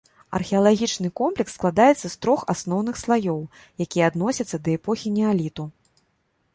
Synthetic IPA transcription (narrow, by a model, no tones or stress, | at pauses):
ɐ̰rxʲɛɐlˠaɣʲit͡ʂnɨkɔmplʲɛksːklˠad̪ajɛt̪sːɐst̪ɾɔxasnɔwnɨxslˠajɔw | jakʲijɛɐad̪nɔsʲɐt̪sːɐd̪ɐɛpɔxʲinʲɛalʲit̪u